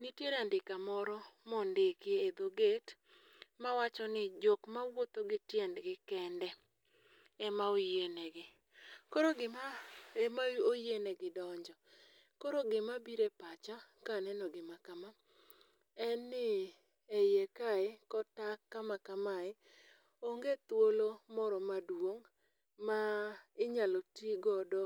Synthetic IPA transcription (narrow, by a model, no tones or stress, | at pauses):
nitjeɾandɪkamɔɾɔmɔndɪkɪed̪oɡet | mawat͡ʃɔnɪd͡ʒokmawot̪oɡɪtjɛndɡɪkɛndɛ | ɛmaojenɛɡɪ | koɾoɡɪmaemaojenɛɡɪdɔɲd͡ʒɔ | koɾoɡɪmabiɾepat͡ʃa | kanɛnɔɡɪmakama | ɛnːɪ | ɛjekaekɔtakːamakamaɪ | oŋɡet̪wolomɔɾɔmadwoŋ | maɪɲalotiɡɔdɔ